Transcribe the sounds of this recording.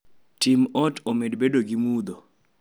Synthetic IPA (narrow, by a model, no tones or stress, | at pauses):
timɔtomedbedoɡimud̪o